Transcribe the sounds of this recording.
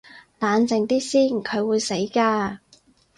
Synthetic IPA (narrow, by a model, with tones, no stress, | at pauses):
laː˨˧nt͡sɪ˨ŋt̪iː˥siː˥nkʰɵ˨˧ɥwuː˨˧jse˨˥jkaː˧